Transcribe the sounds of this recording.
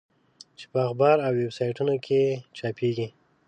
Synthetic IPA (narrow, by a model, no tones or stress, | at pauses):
t͡ʃe̥pəaxbɑɾawːebsɑjʈunokʰet͡ʃɑpeɡi